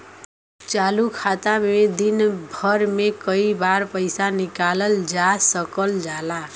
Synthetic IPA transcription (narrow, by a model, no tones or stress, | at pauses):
t͡ʃalukʰat̪amed̪inbʱʌɾmekʌibarpʌjsanikalʌld͡zasʌkʌld͡zala